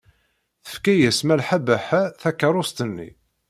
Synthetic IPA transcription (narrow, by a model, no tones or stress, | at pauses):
θə̥fkæjæsmælħabæħæθækːəɾˤost̪ənːḭ